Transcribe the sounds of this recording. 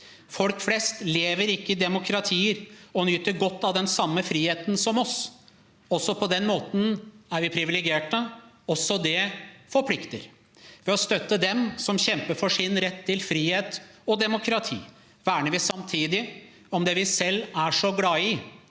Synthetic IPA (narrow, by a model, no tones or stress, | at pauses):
fɔlkflɛst̪leːʋəɾɪkːəɪd̪ɛmʊkʰɾɑt̪ʰiːəɾɔnʏt̪ːəɾɡɔt̪ːɑʋd̪ɛnsɑmːəfɾiːheːt̪n̩sɔmɔs | ɔsːɔpʰɔd̪ɛnmoːt̪n̩æɾʋɪpʰɾɪʋɪlɛɡɪeːʈə | ɔsːɔd̪ɛfɔɾpʰlɪkt̪ə̰ɾ | ʋɛɔst̪œt̪ːəd̪ɛmsɔmɕɛmpəɾfɔʂɪnɾɛt̪ʰːɪlfɾiːheːt̪ɔd̪ɛmʊkʰɾɑt̪ʰḭː | ʋæːɳəʋɪsɑmt̪ʰiːd̪ɪ | ɔmd̪ɛʋɪsɛlːæʂɔɡlɑːɪ